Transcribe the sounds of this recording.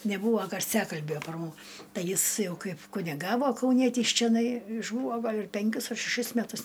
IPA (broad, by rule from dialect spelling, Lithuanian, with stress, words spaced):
nʲɛˈbuːʋoː ɡɐrʲˈsʲæːkɐlʲbʲoː pɐr mʊ ˈtɐɪ ˈjɪs ˈjɛʊ ˈkɐɪp kʊnʲɪˈɡɑːʋoː kɐʊˈnʲiɛtʲiːs t͡ʃʲɛˈnɐɪ ɪʒˈbuːʋoː ˈɡɐlʲ ɪr ˈpʲɛŋʲkʲʊs ɐr ʃʲɛˈʃʲɪs mʲɛˈtʊs